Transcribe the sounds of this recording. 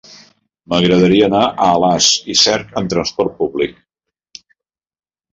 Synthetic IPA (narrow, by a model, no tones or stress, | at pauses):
məɣɾəð̞əɾiəːnaʔəːlazisɛɾkənt̪ɾənspɔɾt̪̚puβlik̚